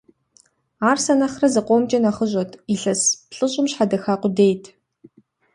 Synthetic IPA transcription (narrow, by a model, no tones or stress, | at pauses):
aːrsɐnɐχrɐzɨqʷʼoːmt͡ʃʼɐnɐχəʑʷʼɐtʰiɬɐspʰɬʼɨɕʼɪmɕħadɐxaːqʷʊdeːjtʰ